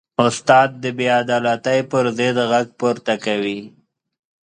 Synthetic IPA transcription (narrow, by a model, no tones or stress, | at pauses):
ʊst̪ɑːd̪̚ːəbead̪ɑːlat̪əjpəɾzed̪ɣaɡ̚puɾt̪akawi